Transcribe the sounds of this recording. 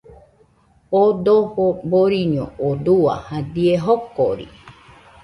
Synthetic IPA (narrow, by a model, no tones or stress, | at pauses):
od̪ohoboɾiɲõ̰od̪ua̰had̪ieɦokoɾḭ